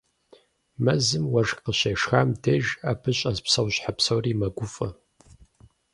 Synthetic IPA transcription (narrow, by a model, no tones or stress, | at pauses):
mɐzɨmwɐʐqəɕeʂxamdeːʒaːpʰɨɕʼɐzpsɐwɕħapsɐwriːmɐɡʷʊfʼɐ